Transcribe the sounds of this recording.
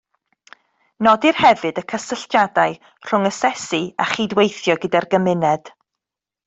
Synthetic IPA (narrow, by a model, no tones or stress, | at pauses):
nɔdirhɛvɨdəkʰəsəɬtjadaɨ | r̥ʊŋəsɛsia̰χidwejθjɔɡədarɡəmɪnɛd̥